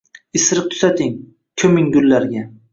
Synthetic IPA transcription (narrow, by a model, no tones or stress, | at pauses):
ɪsɾɪq̚t̪ʰʊ̥zat̪ʰɪŋ | kʲʰɵmɪŋɡʊlːaɾɡʲa